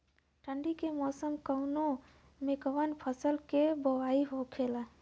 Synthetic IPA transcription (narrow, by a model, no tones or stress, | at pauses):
ʈʰəɳɖikemɔːsəmkəʊno | mekəʋənpʰəsəlkebəʋaiɦokʰela